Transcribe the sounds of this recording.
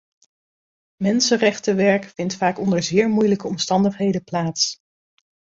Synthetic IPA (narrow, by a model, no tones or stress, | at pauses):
mɛnsərɛχtəʋɛɹkfɪntfaːkɔndəɹzɪːɹmujləkəɔmstɑndəχɦejdəplaːts